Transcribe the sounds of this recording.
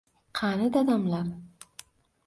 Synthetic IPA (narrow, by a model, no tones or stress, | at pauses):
qʰanɪd̪ad̪amlaɾ